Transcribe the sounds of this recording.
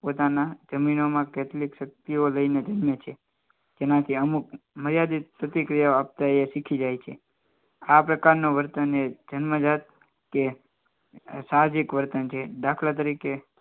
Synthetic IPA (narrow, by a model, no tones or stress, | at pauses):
pot̪anad͡ʒəminomãkɛt̪ʰlikʃək̚t̪ioləined͡ʒənmjət͡ʃʰe | d͡ʒenãt̪ʰiəmukməɾjad̪ipɾət̪ikɾijaap̚t̪aeʃikʰid͡ʒajt͡ʃʰe | apɾəkaɾnoʋəɾt̪əned͡ʒənməd͡ʒat̪̚ | ke | sad͡ʒikʋəɾt̪ənt͡ʃʰed̪akʰlat̪̬əɾike